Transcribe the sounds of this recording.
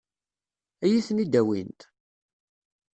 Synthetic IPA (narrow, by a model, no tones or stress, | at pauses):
æjiθnid̪æwḭnt̪